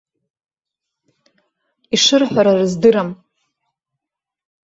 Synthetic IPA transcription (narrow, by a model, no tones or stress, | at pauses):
iʂɨrħʷaɾarɨzdɨɾam